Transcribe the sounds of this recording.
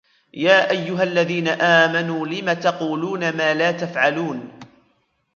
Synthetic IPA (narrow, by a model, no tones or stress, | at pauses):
jaːʔajːʊɦalːaðiːnaʔaːmanuːlɪmat̪ɑquːluːnamaːlaːt̪afʕaluːn